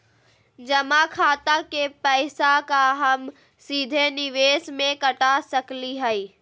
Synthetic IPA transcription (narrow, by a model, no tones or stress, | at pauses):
d͡ʒɐmakʰaːt̪akepɛːsakaɦɐm | siːd̪ʱenɪʋeːsmẽkɐʈasɐkliɦəiː